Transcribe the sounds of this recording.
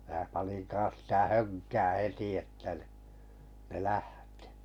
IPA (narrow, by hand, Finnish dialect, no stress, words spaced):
mæː pɑnin kɑ̃ːs sĭtæ høŋkæː heti etːæ ni ne læhti̥